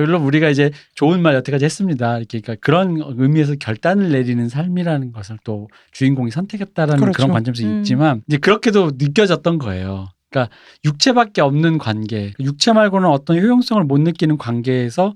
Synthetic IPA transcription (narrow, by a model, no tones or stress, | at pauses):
ʌɭːomuɾiɡaid͡ʑe̞t͡ɕoɯnmaɭjʌtʰak͈ad͡ʑihes͈ɯmɲidaiɾʌkʰeik͈akɯɾʌnʌɯmies̬ʰʌkjʌɭt͈anɯɭːe̞ɾinɯnsʰaɭmiɾanɯnɡʌsʰɯɭt͈o | t͡ɕuinɡoŋisʰʌntʰe̞ɡet̚t͈aɾanɯnkɯɾʌnkwant͡ɕʰʌms̬ʰɯit̚t͡ɕ͈imanid͡ʑe̞kɯɾʌkʰe̞donɯk̬͈jʌd͡ʑʌt̚t͈ʌnɡʌe̞̰jo | k͈a | juk̚t͡ɕʰe̞bak̚k͈e̞ʌmnɯnkwanɡe̞k͈ajuk̚t͡ɕʰe̞maɭɡonɯnʌt͈ʌnçjojoŋs͈ʌŋɯɭmonːɯk͈inɯnkwanɡe̞ːsʰʌ